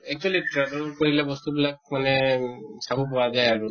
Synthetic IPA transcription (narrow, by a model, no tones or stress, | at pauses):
ɛk̚t͡ʃualitɹɛbɛlkɔɹilɛbɔst̪ubilak̚manɛsabɔp̬ɔwazajaɹu